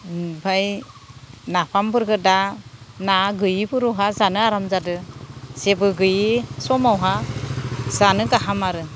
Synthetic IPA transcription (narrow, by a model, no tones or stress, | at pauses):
bʱaj | napʰambɯɾɡɯdanaɡɯjbʰɯɾɔɦazanɯaɾamzadɯsebɯɡɯjisɔmawɦa | z̥anɯɡaɦamaɾɯ